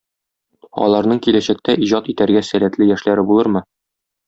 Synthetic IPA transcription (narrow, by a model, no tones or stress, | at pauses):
ɒ̰lˠɑɾnɤɴkilæɕæk̚t̪æʔiʑɑt̪it̪æɾɡæsælæt̪lɘjæʃlæɾɘbulˠɤɾmɤ